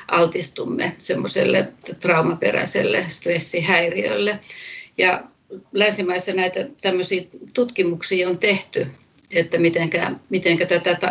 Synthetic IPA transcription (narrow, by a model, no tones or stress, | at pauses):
ʔɑlt̪ist̪umːḛsemːosḛlːḛt̪rɑumɑpḛræ̰sḛlːḛst̪resːihæiriø̰lːejɑ | lænsimɑisːɑnæit̪æt̪æmːøsiːt̪ut̪kimuksiːont̪eht̪y | et̪ːæmit̪eŋkæmit̪eŋkæt̪æt̪æt̪æ